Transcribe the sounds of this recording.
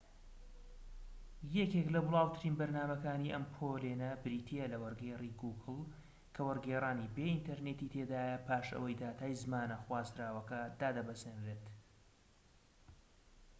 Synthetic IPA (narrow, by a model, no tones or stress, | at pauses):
jɛkeklɐbʊlˠɑːwt̪ʰɨɾiːnbɐɾnaːmɐkaːniʔɐmpʰolenɐbɨɾiːt̪ʰijɛlɐwɐɾɡeriɡuːɡɨlˠ | kʰɐwɐɾɡeraːniːbeːʔint̪ʰɐɾneːt̪iːt̪ʰeːd̪aːjɐpʰaːʃɐ̰wɐjd̪aːt̪ʰaːjzmaːnɐxwaːzd̪ɾaːwɐkɐd̪aːd̪ɐbɐzenɾeːt̪